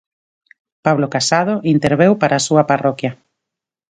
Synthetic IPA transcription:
paβ̞lokasað̞oʔint̪eɾβewpaɾʔaːsuɐparɔkja

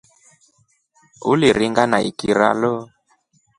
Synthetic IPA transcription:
uliɾiŋɡanaḭkiɾa̰lo

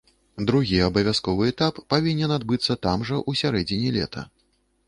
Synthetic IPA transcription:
d̪ɾuɣʲiɐbɐvʲaskɔvɨɛt̪apːavʲinʲɛnad̪bɨt̪sːɐt̪amʐɐʔusʲaɾɛd͡zʲinʲilʲɛ̰t̪ʰɐ̰

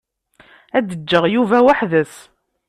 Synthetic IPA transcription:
æd̪əd͡ʒːəʁjuvæwaħðəs

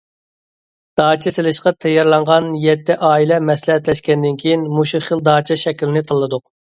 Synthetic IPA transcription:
d̪̥ɑːt͡ʃʰɛsɪlɪʃqɑt̪ʰɛjːɑɾlˠɑɴʁɑnjɛt̪ʰːɪʔɑːilɛmɛslˠɛɦɛt̪lɛʃkʲɛnd̪ɪnkʲʰijinmuʃuχəlˠd̪ɑːt͡ʃʰɛʃɛkʲlɪnɪt̪ʰɑlˠːɨd̪ʊq

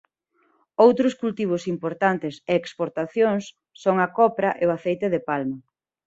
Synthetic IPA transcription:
owt̪ɾʊskult̪iβ̞ʊsimpoɾt̪ant̪ɪseːkspoɾt̪aθjoŋsː | oŋɐkɔpɾɐʔeoaθejt̪ɪðepalmɐ

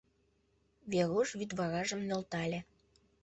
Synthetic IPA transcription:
βeɾuʃβyd̪βɑɣɑʒə̆mnø̆lt̪ɑlʲĕ

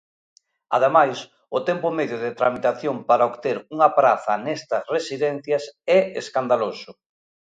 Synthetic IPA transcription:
aðemajs | ʊt̪ɛmpʊmeðjʊðɪt̪ɾamit̪aθjompaɾaokt̪eɾuŋɐpɾaθɐnɛst̪ɐsresiðɛn̟θjɐsɛeskand̪alosʊ

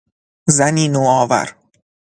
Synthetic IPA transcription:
zæniːnoːɒːvæ̰ɾ

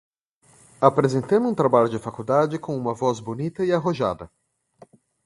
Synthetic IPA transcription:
apɾezẽnt̪ɐ̃mʊũt̪ɾabaʎʊd͡ʒɪfakud̪ad͡ʒɪkõũmɐvɔzbonit̪ɐɪaɦoʒa̰d̪ɐ

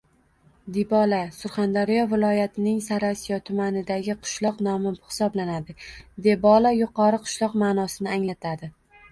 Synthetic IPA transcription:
d̪ibɒlasʊɾχand̪aɾijɒvɪlˠɒjat̪ʰɪnɪŋsaɾasijɒt̪ʰʊmanɪd̪aɡʲɪqʰʊ̥ʃlˠɒqnɒmɪbhɪ̥sɒblanad̪ɪd̪e̞bɒlajʊqʰɒɾɨqʰʊ̥ʃlˠɒqmaːnɒsɪnɪaŋlat̪ʰad̪ɪ

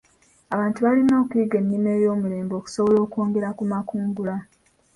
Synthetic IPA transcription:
aβaːntuβalino̞ːkuiɡe̞nːime̞ːjo̞ːmule̞ːmbo̞ːku̥so̞βolo̞ːkoːŋɡe̞ɾakumakuːŋɡula

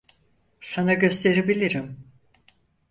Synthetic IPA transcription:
sanaɟø̞st̪ʰe̞ɾebilʲiɾim

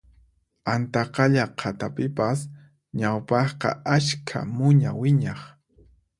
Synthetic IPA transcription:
ant̪ɑqɑʎaqʰat̪apɪpas | ɲawpɑχqɑ̰aʃkʰa̰mʊɲa̰wɪɲɑχ

